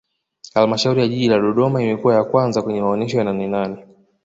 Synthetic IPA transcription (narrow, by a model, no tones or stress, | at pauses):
halmaʃauɾijaʄiʄilaɗɔɗɔmaimɛkuwajakwanzakwɛɲɛmaɔnɛʃɔjananɛnanɛ